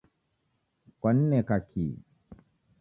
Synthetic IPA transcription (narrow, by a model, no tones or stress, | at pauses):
kwan̩nɛkakʰḭ